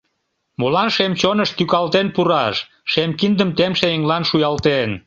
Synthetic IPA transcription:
molɑnʃemt͡ɕonəʃt̪ykɑlt̪enpuɾɑʃ | ʃemkind̪əmt̪emʃeeŋlɑnʃujɑlt̪en

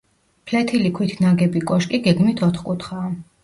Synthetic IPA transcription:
pʰlɛt̪ʰilikʰwit̪ʰnaɡɛbikʼɔʃkʼiɡɛɡmit̪ʰɔt̪χkʼut̪ʰχaː

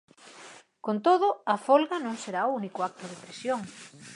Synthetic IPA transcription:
kont̪oðʊɐfolɣanõŋseɾaounikʊak̚t̪ʊðepɾesjoŋ

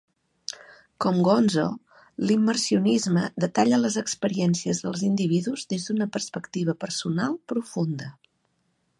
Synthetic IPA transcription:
kɔmɡɔnzo̰ | limːərsiunizməðət̪aʎələzəkspəɾiɛnsiəzðəlˠzind̪iβ̞iðuzðezðunəpərspəkt̪iβ̞əpəɾsunalˠpɾufund̪ə

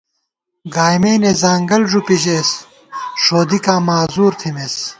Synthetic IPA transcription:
ɡaːjmeːnezaːŋɡɐlʐupiʑeːs | ʂoːd̪ikaːmaːzuːɾt̪ʰimes

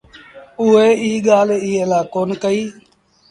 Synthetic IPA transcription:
ʊeːiːɡaːlːiːəlaːkoːnkəiː

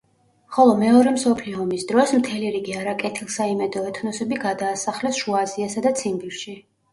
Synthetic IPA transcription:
χɔlˠɔmɛɔɾɛmsɔpʰliɔːmisd̪ɾɔsmt̪ʰɛliɾiɡiaɾakʼɛt̪ʰilˠsaimɛd̪ɔɛt̪ʰnɔsɛbiɡad̪aːsaχlɛsʃuaziasad̪at̪sʰimbiɾʃi

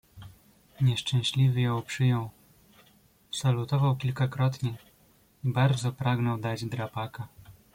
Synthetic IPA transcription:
ɲɛʂt͡ʂɛ̃w̃ɕlʲivʲɘjɔ̃wpʂɘjɔw | salut̪ɔvawkʲilkakɾɔt̪ɲɛ | ibaɾd̪zɔpɾaɡnɔwd̪ad͡ʑd̪ɾapaka

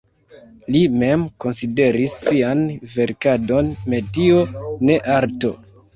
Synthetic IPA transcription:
lime̞mko̞nside̞ɾisːianve̞ɾkado̞nme̞dione̞ʔaɾto̞

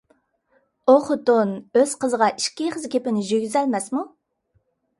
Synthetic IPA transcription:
oχʊt̪unøz̥qəzəʁɑʔiʃkʲiχəzkʲʰepɪnɪʒøɡʲyzɛlmɛsmu

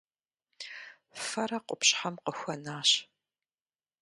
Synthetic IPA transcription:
fɐɾɐqʷʊpɕħamqəxʷɐnaːɕ

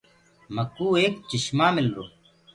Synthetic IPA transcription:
məkːuːeːkt͡ɕɪɕmaːmɪlɾoː

